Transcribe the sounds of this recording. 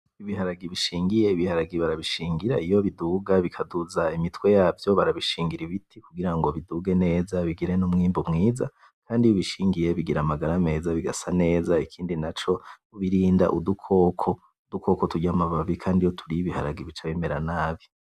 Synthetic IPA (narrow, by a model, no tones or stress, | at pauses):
iβiɦaɾaɡiβiʃiːŋɡije̞iβihaɾaɡiβaɾaβiʃiːŋɡiɾaijo̞βiduɡaβikʰaduzaimitwe̞jaːvjo̞βaɾaβiʃiːŋɡiɾiβitʰikuɡiɾaŋɡo̞βiduːɡe̞ne̞ːzaβiɡiɾe̞numŋiːmbomŋiːza | kʰaːndioβiʃiːŋɡije̞βiɡiɾamaɡaɾame̞ːzaβiɡasane̞ːzaikʰiːndinat͡ʃo̞uβiɾiːnda̰ʔudukʰo̞ːkʰo̞ | udukʰo̞ko̞tuɟamaβaβikʰaːndijo̞tʰuɾijiβiha̰ɾa̰ɡiβit͡ʃaβeme̞ɾanaːβi